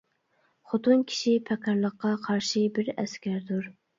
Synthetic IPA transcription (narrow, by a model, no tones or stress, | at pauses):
χʊt̪unkʲʰi̥ʃipʰɛkʰɑɾlˠəqːɑqʰɑɾʃibɪɾɛskʲæɾd̪uɾ